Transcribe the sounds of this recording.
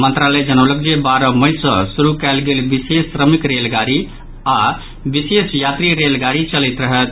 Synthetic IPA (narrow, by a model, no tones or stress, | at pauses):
mənt̪ɾalɛd͡ʒənələk̚d͡ʒebaɾəməjsə̃suɾukɛlɡelbisesɾəmikɾelɡaɾi | a | bisesjat̪ɾiɾelɡaɾit͡ʃəlɛit̪ɾəɦət̪